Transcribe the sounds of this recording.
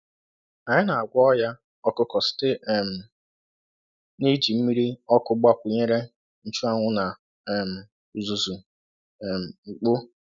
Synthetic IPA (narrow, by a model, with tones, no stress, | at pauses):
a˨ɲɪ˦na˨a˨ɡʷɔ˦ja˦ | ɔ˦kʊ˦kɔ˨sɪ̥˦te˦˨m̩˨ | ni˦d͡ʒi˨m̩˦mi˦ɾi˦ɔ˦kʊ˦ɡ͡ba˦kʷʊ˨ɲe˦ɾe˦ | n̩˦t͡ʃu˦a˦ŋʷʊ˦na˨ | m̩˨ | zu˨zu˨ | m̩˨ŋ͡m̩˨k͡po˦